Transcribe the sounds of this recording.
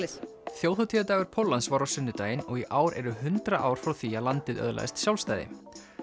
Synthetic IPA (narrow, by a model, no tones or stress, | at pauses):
θjoːwθɔt̪ʰiːat̪aːɣʏɾ̥pʰowlːansvaɾawsʏnːʏt̪aːjɪnɔɣiʔaːwɾɛ̰ɾʏɦʏnt̪ɾaʔaːwɾ̥fɾawθialant̪ɪðœ̰ðla̰j̰st̪sjawlst̪aːjðɪ̰